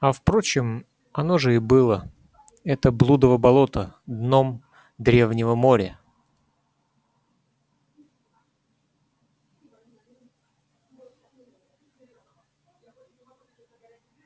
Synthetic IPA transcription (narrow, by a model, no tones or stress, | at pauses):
ɐfpɾot͡ɕɪm | ɐno̞ʐɨɪbɨlˠə | ɛt̪əblˠud̪əvəbɐlˠo̞t̪əd̪no̞m | d̪ɾʲe̞vnʲɪvəmo̞ɾʲə